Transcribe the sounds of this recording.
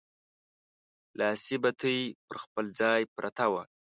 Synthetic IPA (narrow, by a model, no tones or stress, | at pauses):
lɑsibat̪ʰəjpəɾxpəld͡zɑjpɾʔat̪awa